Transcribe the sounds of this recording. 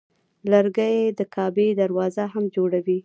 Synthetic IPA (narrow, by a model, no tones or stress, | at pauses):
ləɾɡəjed̪əkʰɑbed̪aɾwɑzaɦamd͡ʒoɽawi